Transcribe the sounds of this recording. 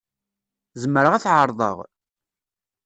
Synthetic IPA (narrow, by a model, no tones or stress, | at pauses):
zəmːəɾəʁæθʕəɾˤðˤə̰ʁ